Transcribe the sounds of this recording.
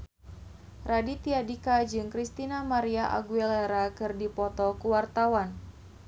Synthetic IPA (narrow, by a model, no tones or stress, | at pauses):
radit̪iadikad͡ʒɨŋkɾist̪inamaɾiaʔa̰ɡuɛlaɾakɨrdipɔt̪ɔkuwart̪awan